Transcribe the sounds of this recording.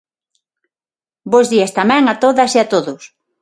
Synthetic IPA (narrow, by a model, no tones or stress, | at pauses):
bozðiast̪amɛ̃ŋat̪oðɐsiat̪oðʊs